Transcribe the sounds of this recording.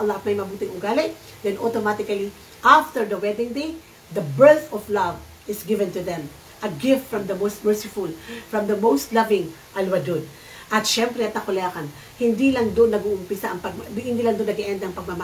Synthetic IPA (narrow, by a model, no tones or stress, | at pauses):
lat̪̚mɐjmɐbuːt̪ɪŋʊɡalɪ | d̪ɛnʔot̪omat̪ɪkɐli | ʔaft̪ɛɹd̪ɐwɛd̪ɪ̃ŋd̪ej | d̪ɐbɛɹθɔflɐv | ɪsɡɪvɛnt̪ʊðɛm | ʔɐɡɪft̪fɹɐmd̪ɐmowst̪̚mɛɹsɪfʊlfɹɐ̃md̪ɐmowst̪lɐvɪŋ | ʔalwɐd̪ʊd̪̚ | ʔɐt̪ʃɛmpɾɛɐt̪nɐkʊlɛkɐn | hɪnd̪ilɐŋd̪onːɐɡuʔʊmpɪsaʔɐŋpɐɡ̚hɪnd̪ilɐŋd̪onːɐɡɛʔɛnd̪ɐʔɐŋpɐɡ̚mɐma